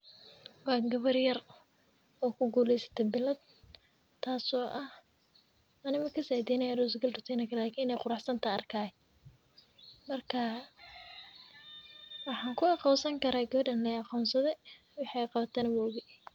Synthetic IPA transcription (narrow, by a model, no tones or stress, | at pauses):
wɑːɡɐβɐrjɐr | ɔːkʰʊɡuːlɛjsɐ̥t̪ʰɛbɪlɐd̪̚ | t̪ʰːaːsɔːʔɐh | ɐnɪmɐkʰɐsajd̪iːnɐjaːrʊs̬ɡɐldʊt̪ʰɛːnɐkʰɐlaːkʰiːnɛjqʊɾɑħsɐnt̪ʰɐɐrkʰaːɛ | mɐrkʰɐ | wɑħɑːŋkʰʊɑqɑwsɐŋkʰɐɾaːɡɐβɐɖɐnlɛjɑqɔːnsɐðɛ | wɑħɑjqɑβɐt̪ʰɛnɐwɔːɣʊ